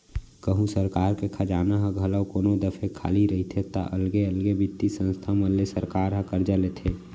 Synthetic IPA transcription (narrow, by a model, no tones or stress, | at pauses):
kəɦũsəɾkaːɾkekʰad͡ʒaːnaɦə̃ɡʱələwkoːnod̪əpʰekʰa̰ːliɾəɦit̪ʰet̪a̰ʔəlɡeəlɡebʱit̪ːisə̃nst̪ʰamə̃lesəɾkaːɾɦə̃kəɾd͡ʒalet̪ʰeː